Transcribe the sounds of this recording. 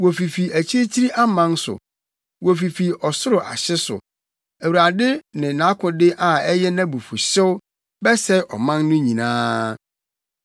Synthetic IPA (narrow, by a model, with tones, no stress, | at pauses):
wɔ˨fi˨fi˨æ˨t͡ɕʰi˦e˦t͡ɕʰi˦ɾi˦ʔa˦mã˦n˦sʊ̰˨ | wɔ˨fi˨fi˨ɔ˨sʊ˦ɾʊ˨ʔa̰˨ɕɪ˦sʊ̰˨ | æ˨wu˨ɾa˨dɪ˦nɪ̃˨nã˨˦kʰʊ̃˨dɪ˦ʔa˨ɛ˦jɛ˦nã˦bu˨fu˨ɕɪ˦wʊ˦ | bɛ˦sɛ˦ʔɔ̰˨mã˦nːʊ̃˦ɲĩ˨nã̰ː˦